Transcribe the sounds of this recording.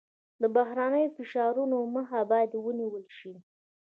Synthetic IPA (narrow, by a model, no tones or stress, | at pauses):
d̪əbaɦɾanəjofɪʃɑɾunoməxabɑjad̪wəniwəlʃi